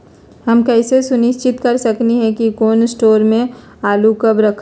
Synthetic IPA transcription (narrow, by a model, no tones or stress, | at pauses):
ɦəmkɛɪsesʊnɪst͡ʃɪt̪kɐɾsəkniɦɛ̃kikoːnsʈoːɾmẽ | aːlukəbɾəkʰ